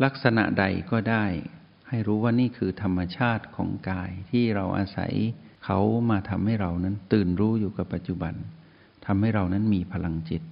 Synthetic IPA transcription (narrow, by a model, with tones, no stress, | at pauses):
la˦˥k̚sa˧na̰˨ʔda˧jkɔː˥˩daː˥˩j | ha˥˩jɾuː˦˥waː˥˩niː˥˩kʰɯː˧t̪ʰa˧mːa˧t͡ɕʰaː˥˩t̪̚kʰɔ̰ː˩˦ŋkaː˧jt̪ʰiː˥˩ɾa˧wʔa̰ː˧sa̰˨˩˦jkʰa˦˥wmaː˧t̪ʰa˧mha˥˩jɾa˧wna˦˥nt̪ɯː˨˩nɾuː˦˥juː˨˩ka˨˩pːa˨˩t̪̚t͡ɕu˨˩ba˧n | t̪ʰa˧mha˥˩jɾa˧wna˦˥nmiː˧pʰa˧la˧ŋt͡ɕi˨˩t̪̚